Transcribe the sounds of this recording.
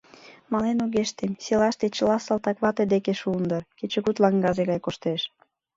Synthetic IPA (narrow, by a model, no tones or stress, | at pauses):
mɑlenuɣeʃt̪emselɑʃt̪et͡ɕəlɑsɑlt̪ɑkβɑt̪ed̪ekeʃund̪ərket͡ɕə̆ɣut̪lɑŋɡɑʒeɣɑjkoʃt̪eʃ